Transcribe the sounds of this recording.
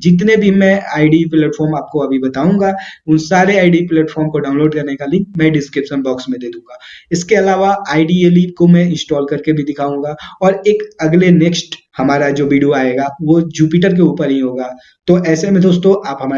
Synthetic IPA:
d͡ʒɪt̪nebʱimɛ̃aːɪɖiplɛːʈfɔːɾmaːp̚koɐbʱibɐt̪aːũːŋɡaːʊnsaːɾeaːɪɖiplɛːʈfʰɔːɾmkoɖãːʊ̃nloːɖkɐɾnekalimɛ̃ːɖɪskɾɪpʃənbɔːksmẽd̪eːd̪ũːŋɡaːɪskeɐlaːʋaaːɪɖieːliːp̚komɛ̃ɪ̃nsʈɔːlkɐɾkebʱid̪ɪkʰaːũːŋɡaːɔːɾeːkɐɡleneːksʈ | hɐmaːɾad͡ʒoːʋiːɖijoaːeːɡaʋod͡ʒuːpiːʈəɾk̬euːpəɾɦĩɦoːɡaː | t̪oʔɛːsemẽd̪oːst̪õʔaːpɦɐma

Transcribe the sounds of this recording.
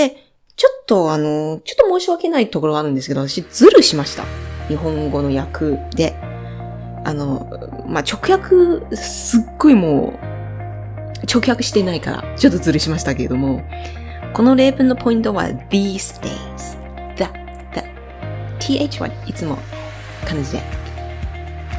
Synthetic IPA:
d̪̥e̞ | t͡ɕo̞t̪ːo̞ano̞t͡ɕo̞t̪ːomo̞ːɕiβake̞nait̪o̞ko̞ɾo̞ɡaɾɯ̟̃nd̪esɨkeoat̪ḁɕid͡zɨɾɯ̟ɕimaɕi̥t̪a̰ɲ̟iɦõ̞ŋɡo̞no̞jakɯ̟d̪e̞ | a̰no̞ | mat͡ɕo̞kɯ̟çakɯ̟sɨɡːo̞imo̞̰ː | t͡ɕo̞kɯ̟çjakɯ̟ɕi̥t̪e̞naika̰ɾa̰t͡ɕo̞t̪ːod͡zɨɾɯ̟ɕimaɕi̥t̪ake̞ɾe̞d̪o̞mo̞ | ko̞no̞ɾe̞ːpɯ̟̃nːo̞pʰo̞ĩnt̪o̞βa̰d̪iːsɨ̥d̪e̞ | sɨ̥ | d̪̥a | d̪̥a | t̪ʲʰiːet͡ɕiβa̰it͡sɨmo̞̰ | kãɲd͡ʑid̪e̞̰

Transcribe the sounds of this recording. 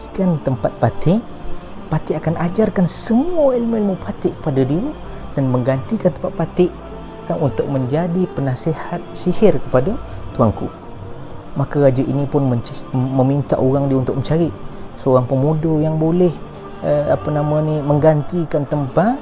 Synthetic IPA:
kant̪əmpat̪̚pat̪ʰɪŋ | pat̪ɪʔakanad͡ʒarkansəmuailmuilmupat̪ɪʔkə̥padadiə | d̥anməŋɡant̪ikant̪əmpat̪̚pat̪ɪʔ | kanunt̪ʊk̚məɲd͡ʒadipənasehat̪̚sihɪrkə̥padat̪uaŋku | makaɣad͡ʒaʔinipʊnməməmint̪a̰ʔoɣaŋdiəunt̪ʊkməɲt͡ʃaɾiʔsəoɾaŋpəmudojaŋbolɛh | əapənamaniməŋɡant̪ikant̪əmpat̪̚

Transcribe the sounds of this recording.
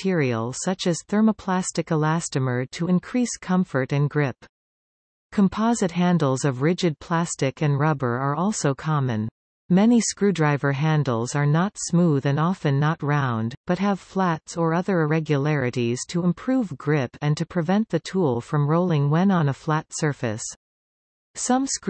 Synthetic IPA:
ɪɹil̩ˠsʌt͡ʃɨz̥θɜ˞məpʰl̥æstɨkəlæstɨmə˞ɾʰəɨ̃nkʰɹ̥iskʰʌ̃ɱfə˞ɾɨ̃nɡɹɪp | kʰə̃m̩pʰɑzɨt̚ɦæ̃ndˡl̩ˠzʌvɹɪd͡ʒɨd̚pʰl̥æstɨkɨ̃nɹʌbə˞ə˞ɔlˠsoʊkʰɑmɨ̰̃n | mɛniskɹʉdɹaɪvə˞ɦæ̃ndˡl̩ˠzə˞nətsmuðɨ̃ndɑfɨ̃nːət̚ɹãʊ̃ndb̥ʌt̚ɦəv̥flætsə˞ʌðə˞ɪɹɛɡjɨlɛɹɨɾiz̥tʰɨə̃mpʰɹ̥uvɡɹɪpɨ̃ntʰɨpʰɹ̥ɨvɛ̃nðɨtʰulˠfɹʌ̃mɹoʊlˠɪ̃ŋwɛ̃nə̃nəflætsɜ˞fɨ̰s | sʌ̃ms

